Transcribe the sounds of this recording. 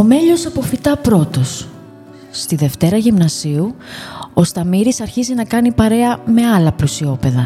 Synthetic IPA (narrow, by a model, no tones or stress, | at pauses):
o̞me̞ʎo̞sɐpo̞fit̪ɐpɾo̞t̪o̞sː | t̪iðe̞ft̪e̞ɾɐʝimnɐsiuo̞st̪ɐmiɾisɐɾçizinɐkɐnipɐɾe̞ɐme̞ɐlɐplusio̞pe̞ðɐ